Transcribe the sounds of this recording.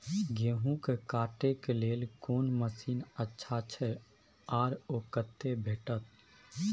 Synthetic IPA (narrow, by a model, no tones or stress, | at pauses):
ɡeɦũkekaːʈekeleːlkoːnməsiːnətːʃʰat͡ʃʰɛ | aːɾoːkət̪ːebʱeːʈət̪̚